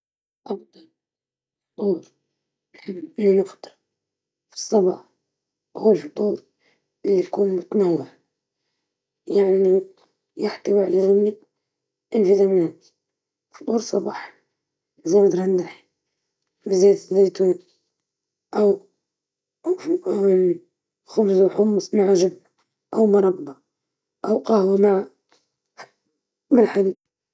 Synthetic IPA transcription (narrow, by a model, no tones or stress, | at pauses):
ʔɑfd̪ˤɑl | ft̪ˤuːɾ | ʔlːinʊxt̪ɨɾ | fi̥sˤːɑbɑ̰ːħ | huːlfʊt̪ˤuːɾ | ʔɪlːijkuːnmʊt̪nawːaʕ | jaʕniʔɪnu | jaħt̪awiʕlaɣamni | ʔɪnfizamɪna | fʊ̥t̪ˤuːɾsˤɑbɑːħ | zaːmd̪ɾˤɑnd̪aħ | bɪzeːt̪zeːt̪u | ʔaw | xʊbzaħʊmːsˤmaʕaʒɪb | ʔawmʊɾˤɑbːɑ | ʔawqɑhwamaʕa | mɪlħali